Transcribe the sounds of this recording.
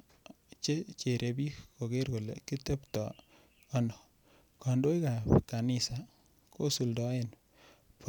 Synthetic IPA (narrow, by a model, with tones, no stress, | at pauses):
t͡ʃe˦t͡ʃe˨ɾʔe˨bi˦kko˨ke˦ɾko˨lḛ˨ki˦te˦ptɔ̰ː˨˦ | ndɔ˨ | ka˨ndo˦i˦ka˨ka˨nɪ˨sa˨ | ko˦su˨ldɔ˦e˦n | p